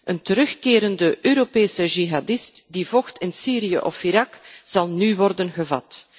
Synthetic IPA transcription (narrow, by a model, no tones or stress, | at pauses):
ʔəntəɾɵxkeːɾəndəʔøːɾopeːsəʒiɦadɪstdivɔxtɪnsiːɾijə̰ʔɔfiɾɑkz̥ɑlˠnywɔrdənɣəvɑ̰t